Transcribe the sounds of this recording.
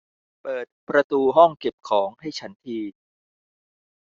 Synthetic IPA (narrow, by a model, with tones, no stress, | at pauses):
pɤː˨˩t̪̚pɾa˧t̪uː˧ɦɔ˥˩ŋke˨˩p̚kʰɔː˩˦ŋha˥˩jt͡ɕʰa˦˥nt̪ʰiː˧